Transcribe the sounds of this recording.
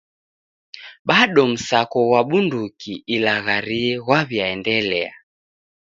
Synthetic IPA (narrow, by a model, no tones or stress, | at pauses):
ɓaɗɔm̩sakɔwaɓundukiilaɣaɾiɛɣwaβjaɛndɛlɛa̰